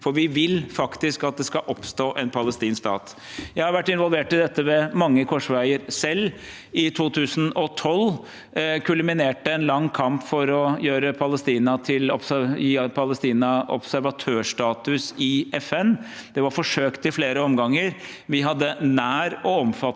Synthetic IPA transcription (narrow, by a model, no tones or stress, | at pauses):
fɔɾʋɪʋɪlfɑkt̪ɪskɑt̪̚d̪ɛskɑʔɔpst̪oːʔɛnpʰɑləst̪iːnskst̪ɑ̰ːt̪ | jæɪhɑɾʋæʈːɪnʋɔlˠʋeːʈɪd̪ɛt̪ːəʋɛmɑŋːəkʰɔʂʋæɪəɾsɛlː | ɪt̪ʰuːt̪ʰʉːsənɔt̪ʰɔl | kʰʉlmɪneːʈəɛnlɑŋːkʰɑmpfɔɾɔjøːɾəpʰɑləst̪iːnɑt̪ʰɪlɔpsjiːpʰɑləst̪iːnɑɔ̰psæɾʋɑt̪ʰøːʂʈɑːt̪ʉsɪɛfɛnd̪̥ɛʋɑɾfɔʂøːkt̪ɪfleːɾəɔmɡɑŋːəɾ | ʋɪɦɑd̪ːənæːɾɔɔmfɑ